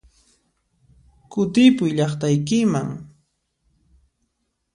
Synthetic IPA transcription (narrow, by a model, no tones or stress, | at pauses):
kʊt̪ɪpʊjʎɑχt̪ajkɪma̰ŋ